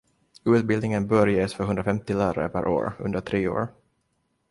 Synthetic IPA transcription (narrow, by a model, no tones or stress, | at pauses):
ʉ̟ːt̪bɪld̪nɪŋənbœɾjeːsfœɾɦɵnd̪ɾafɛmt̪ɪlæːɾa̰ɾə̰pʰæɾʔo̰ːɾɵ̰nd̪əʈʰɾeːo̰ːɾ